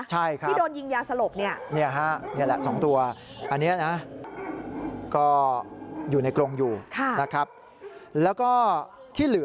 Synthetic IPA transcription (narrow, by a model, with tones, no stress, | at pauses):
t͡ɕʰa˥˩jkʰɾa˥˦˥doː˧nji˧ŋjaː˧sa˧lo˨˩p̚ni˥˩ɐni˥˩ɐ˩ɦɛ˦˥ʔni˥˩ɐ˩lɛ˨˩sɔː˩˦ŋt̪u˧ɐʔa˧nːi˦˥ɐna˦˥ʔ | kɔː˥˩ | juː˨˩na˧jkɾo˧ŋjuː˨˩kʰa˥˩na˦˥kʰɾa˦˥p̚ | lɛː˦˥wkɔː˥˩ | t̪ʰiː˥˩lɯ˩˦